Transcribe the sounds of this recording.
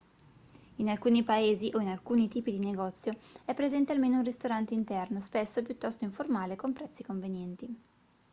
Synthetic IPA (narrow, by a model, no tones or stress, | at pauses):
inalkuːnipaeːziʔoinalkuːnit̪iːpid̪ineɡɔt̪sːjoɛpːɾezɛnt̪ealmeːnounrist̪oɾant̪eint̪ɛrnospesːop̬jut̪ːɔst̪oiɱformaːlekompɾɛt̪sːikoɱvenjɛnt̪i